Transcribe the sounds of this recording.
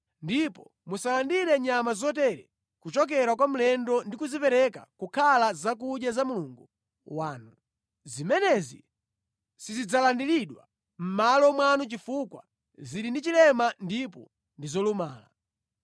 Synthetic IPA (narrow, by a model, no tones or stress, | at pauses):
ndipɔ | musalandiɾɛɲamazɔtɛɾɛ | kut͡ʃɔk̬ɛɾakwam̩lɛndɔndikuzipɛɾɛka̰kukʰalazak̬uɗjazamuluːŋɡu | waːnu | zimɛnɛzḭ | sizid͡zalandiliɗwa | m̩malɔmwanut͡ʃifukwa̰ | zilindit͡ʃilɛmandip̬ɔ̰ | ndizɔlumaːla̰